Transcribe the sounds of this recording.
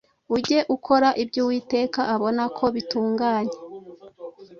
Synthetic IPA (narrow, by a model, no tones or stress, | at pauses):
uɟe̞ʔukʰo̞ɾaʔibɟuːwiːte̞ːkaʔaβo̞nakʰo̞βituːŋɡaːɲe